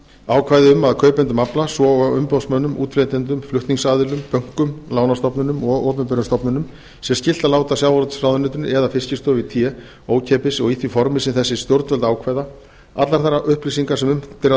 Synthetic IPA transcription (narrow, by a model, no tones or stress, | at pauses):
aːwkʰvaːjðɪʏmːaðkʰœːɥpɛnt̪ʏmaplasvɔaʏmpɔðsmœnːʏmṵːt̪fleːt̪ɛnt̪̬ʏmflʏht̪niŋsaːðɪlʏmpœŋ̥kʏmlaːwnast̪ɔpnʏnʏmɔɣɔːpʏmpʏɾʏnst̪ɔpnʏnʏm | sɛmscɪl̥t̪alaːwt̪asjaːwɔɾt̪srawðʏnʏːt̪ʏnɛðafɪscɪst̪ɔvɪt̪ʰjɛ | oːwcʰɛːpɪsɔɣiθʰifɔɾmɪsɪnθɛsːɪst̪jowɾt̪vœlt̪aːwkʰvajða | a̰t̪laɾθaɾːaʔʏhplis̬iŋkasɛmʏmt̪ɪɾ